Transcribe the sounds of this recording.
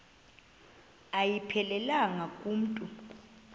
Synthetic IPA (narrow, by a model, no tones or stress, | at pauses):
ajipʰɛlɛlaŋakʼuːm̩tʼu